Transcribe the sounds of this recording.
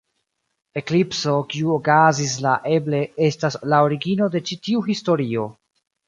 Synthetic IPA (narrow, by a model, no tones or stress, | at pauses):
e̞klipso̞kiuokazis̬laʔe̞ble̞e̞staslaoɾiɡino̞de̞t͡ʃitiuhisto̞ɾio̞